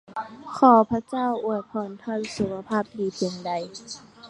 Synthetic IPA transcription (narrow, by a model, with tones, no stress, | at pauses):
kʰɔː˧˩pʰa˧˥t͡ɕaː˥˨wʔu˧˩ət̪̚pʰɔː˨˧˩nt̪ʰɔː˧˥˨nsu˨˧˦kʰa˧pʰaː˥˩p̚diː˨˦pʰe˨˧˦ŋda˨j